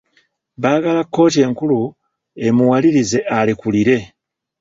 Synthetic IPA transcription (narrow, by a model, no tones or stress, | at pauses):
βaːɡalakːo̞ːt̬e̞ːŋkulu | e̞muwaliɾize̞ʔalikuliɾe̞